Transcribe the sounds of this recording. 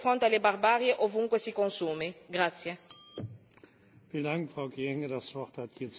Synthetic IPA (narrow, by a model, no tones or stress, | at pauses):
fɾont̪ealebarbaːɾjeʔovuŋkwesikonsuːmeɡɾat̪sːje | fiːləndaŋkfʁ̥aʊɡiɛŋədasv̥ɔʁthathiːɐt͡s